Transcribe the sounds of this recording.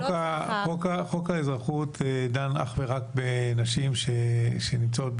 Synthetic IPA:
kaχokaχokaezʁaχutedana̰χveʁakbenaʃimʃeʃenimt͡saot̚

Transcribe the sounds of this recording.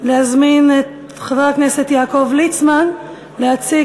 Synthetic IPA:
lehazminet | χavaʁkneset̪jaːko̞vlit͡sman | lehat͡si

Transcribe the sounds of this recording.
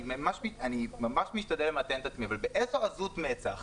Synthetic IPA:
mamaʃmianimamaʃmiʃtad̪elemat̪enet̪at͡smiavalbeʔezoazut̪met͡saχ

